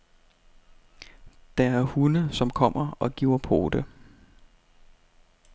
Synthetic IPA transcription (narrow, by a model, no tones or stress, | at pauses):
d̥ɑæɐhunəsɒ̽mkʰɒ̽m̰ɐɒ̽ɡ̥o̰ɐpʰo̝̰ːd̥ə